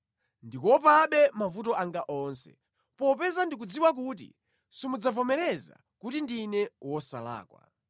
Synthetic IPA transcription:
ndikɔp̬aɓɛmavutɔaŋɡaʔɔːnsɛ̰ | pɔpɛzandik̬ud͡ziwak̬ut̬ḭ | simud͡zavɔmɛɾɛza̰ | kutindinɛwɔsala̰ːkwa̰

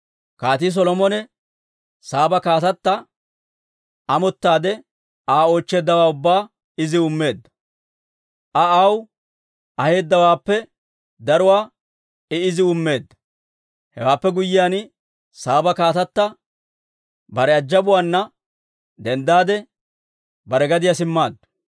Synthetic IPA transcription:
kaːt̪is̬ɔlɔmɔnɛ | saːbɐkaːt̪ɐt̪ːɐ | ɐmɔt̪ːaːd̪ɛ | aːo̞ːt͡ʃːe̞ːd̪ːɐwaːʊbːaː | ɪzɪʊmːe̞ːd̪ːɐ̥ | ʔɐɐw | ɐhe̞ːd̪ːɐwaːpːɛ | d̪ɐɾʊwaː | ɛɪzɪʊmːe̞ːd̪ːɐ̥ | hɛ̰waːpːɛɡʊjːɪjaːn | saːbɐkaːt̪ɐt̪ːɐ | bɐɾɛɐd͡ʒːɐbʊwaːnːɐ | d̪ɛnd̪aːd̪ɛ | bɐɾɛɡɐd̪ɪjɐsɪmːaːd̪ːɐ̥

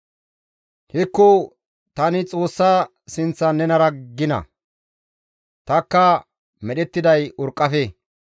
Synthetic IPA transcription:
hɪkːʊ | t̪ɐnɪt͡sʼo̞ːsːa | sɪnt͡sːɐnːɛnɐɾɐɡːɪnɐ̰ | t̪ɐkːɐ | mɛɗɛt̪ːɪd̪ɐjʊɾkʼːɐfeː

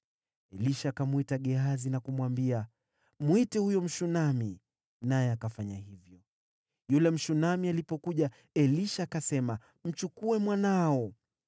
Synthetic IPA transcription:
ɛliʃakamuitaɠɛazinakumwambia | mwitɛhujɔm̩ʃunami | najɛakafaɲaɦivjɔ | julɛm̩ʃunamialipɔkuʄa | ɛliʃakasɛma | m̩t͡ʃukuɛmwanaɔ

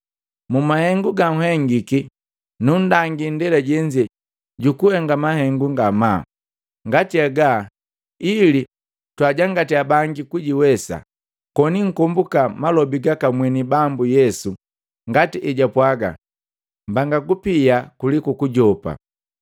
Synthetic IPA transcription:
mumahɛŋɡuɡaŋ̩ɦɛŋɡiki | nun̩daŋɡindɛlaɟɛɲd͡ʒɛ | ɟukuhɛŋɡamahɛŋɡuŋɡama | ŋɡatiaɡa | ili | twaɟaŋɡatiabaŋɡikuɟiwɛsa̰ | kɔniŋ̩kɔmbukamalɔbiɡakamwɛnibambujɛsu | ŋɡatiʔɛɟapwaɡa̰ | mbaŋɡakupijakulikukuɟɔpa̰

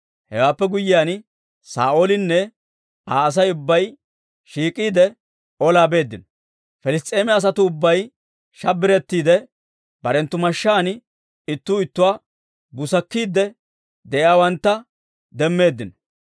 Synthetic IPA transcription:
hɛ̰waːpːɛɡʊjːɪjaːn | sa̰ːʔoːlɪnːɛ | aːɐs̬ɐjʊbːɐj | ʃiːkʼːiːd̪ɛ | ɔlaːbe̞ːd̪ːɪnɔ | fɛlɪs̬t̪ʼe̞ːmɛɐs̬ɐt̪ʊːbːɐj | ʃɐbɪɾɛt̪ːiːd̪ɛ | bɐɾɛnt̪ːʊmɐʃːaːn | ɪt̪ːuːɪt̪ːʊwaː | bʊsɐkːiːd̪ɛ | d̪ɛʔjaːwɐnt̪ːɐ | d̪ɛmːe̞ːd̪ːɪnɔ

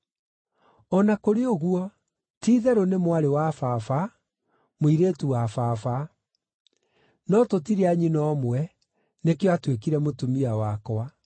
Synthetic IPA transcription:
ɔnakoɾeoɣuɔ | tiːðɛɾonemwaɾewafafa | moiɾeːtuwafafa | nɔtotiɾeaɲinɔmwɛ | nekeɔatwekiɾɛmotumiawakɔa

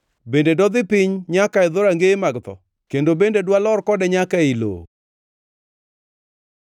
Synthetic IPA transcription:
bendedɔd̪ɪpɪɲɲakaɪd̪oɾaŋɡemaɡt̪ɔ̰ | kendobendedwalɔrkɔdɛɲakailo̰

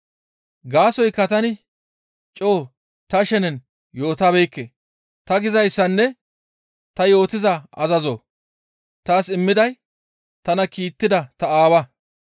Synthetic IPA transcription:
ɡaːsɔjkːɐt̪ɐnɪ | t͡ʃʼo̞ː | t̪ɐʃɛnɛn | jo̞ːt̪aːbɛjkːe | t̪ɐɡɪzɐjsːɐnːɛ | t̪ɐjo̞ːt̪ɪzɐɐ̰zɐzo̰ː | t̪aːsɪmːɪd̪ɐj | t̪ɐnɐkiːt̪ːɪd̪ɐt̪ɐaːwɐ

